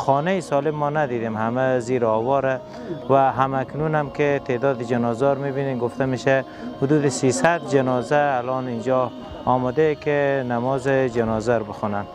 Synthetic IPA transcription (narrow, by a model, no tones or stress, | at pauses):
xɔnajɪsɔlɪmːɔnad̪id̪emhamaziɾɔwɔɾa | waɦamaknunamkɪt̪ʰed̪ɔd̪ɪd͡ʒanɔzɔɾmibinenɡʊft̪ʰameʃa | hʊd̪uːd̪ɪsisad̪̚d͡ʒɪnɔzaːlɔnind͡ʒɔː | mad̪akɪnamɔːzɪd͡ʒanɔzaɾbɪxunan